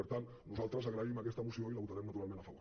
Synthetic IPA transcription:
əɾt̪an | nuzalˠt̪ɾəzaɣɾaimakɛst̪əmusioilaβut̪aɾɛmnat̪uɾalˠmẽnafaoɾ

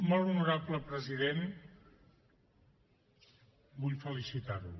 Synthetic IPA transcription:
mɔlˠunuɾapləpɾəziðen | buʎfəlisit̪arlṵ

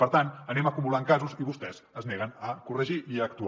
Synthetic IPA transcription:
pəɾt̪anənɛməkumulaŋkazuziβust̪ɛz̥ | əznɛɣənəkurəʒiʔiək̚t̪u

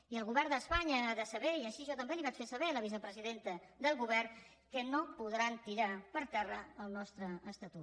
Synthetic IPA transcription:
iəlˠɣ̞uβɛɾd̪əspaɲəaðəsəβɛiəʃiəʒɔt̪əmbeliβat͡ʃfesəβɛləβisəpɾəziðent̪əd̪əlˠɣuβɛr | kənopuðɾant̪iɾapəɾt̪ɛrəəlˠnɔst̪ɾəːst̪ət̪ut̪

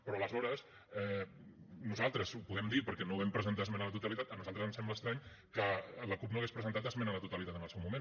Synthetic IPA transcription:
pɾɔələzɔɾəs | ɛ | nuzalˠt̪ɾəzupuðɛmd̪iɾpəɾkɛnoβɛmpɾəzənt̪aəzmenələt̪ut̪əlit̪at̪ənuzalˠt̪ɾəzənsɛmbləkst̪ɾaɲ | kələkup̚noaɣespɾəzənt̪at̪əzmenələt̪ut̪əlit̪at̪ənəlˠsɛwmumẽn

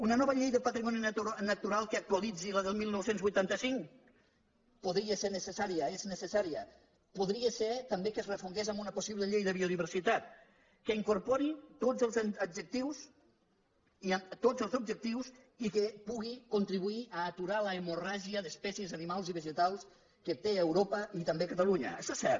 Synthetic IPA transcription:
unənɔβəʎejðəpat̪ɾimɔninək̚t̪uɾalˠkəːk̚t̪walid͡ziləðəlˠmilˠnɔwsenzβujt̪ant̪əsiŋk | puðɾiəseɾnəsəsaɾiəeznəsəsaɾiə | puðɾiəseɾt̪əmbekəzrəfuŋɡezambunəpusiβləʎejðəβioðiβ̞əɾsit̪at̪̚ | kəiŋkuɾpɔɾit̪od͡zəlˠzəd͡ʒək̚t̪iws | iat̪ozəlˠzub̚d͡ʒək̚t̪iwz | ikəpuɣikunt̪ɾiβuiʔaːt̪uɾaləemuraʒiəðəspɛsjəzanimalˠziβəʒət̪alˠs | kət̪eewɾopəit̪əmbekət̪aluɲə̰ʃasɛɾ

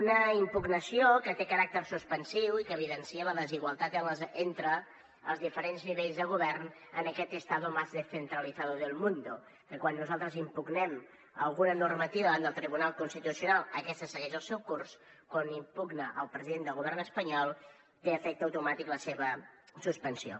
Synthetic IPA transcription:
unəimpuɡnəsiokət̪ekəɾak̚t̪ərsuspənsiwikəːβ̞iðənsiələðəziɣwəlˠt̪at̪ənləzent̪ɾə̰ː | lˠzðifəɾenzniβeʎzðəɣuβɛrn | ənəkɛt̪əst̪aðumazðəsənt̪ɾəliθaðuðəlˠmund̪u | kəkwanːuzalˠt̪ɾəzimpuɡnɛm | ə̰lˠɣunənurmət̪iβəand̪əlˠt̪ɾiβunalˠkunst̪it̪usiunalˠəkɛst̪əsəɣɛʒəlˠsɛwkurskwanimpuɡnəʔəlˠpɾəziðend̪əlˠɣuβɛrnəspəɲɔlˠ | t̪eəfɛk̚t̪əwt̪umat̪ikləseβəsuspənsio̰

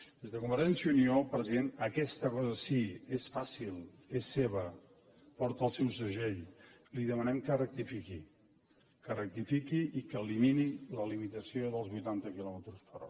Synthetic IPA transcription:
d̪ezðəkumbəɾʒɛnsjuniopɾəziðenəkɛst̪əkɔzəsiesfasilˠ | esːeβ̞ə | pɔɾt̪əlˠsɛwsəʒej | liðəmənɛmkərək̚t̪ifiki | kərək̚t̪ifikiʔikəːliminiləlimit̪əsioðəlˠzβujt̪ant̪əkilɔmət̪ɾuspəɾɔ̰ɾ

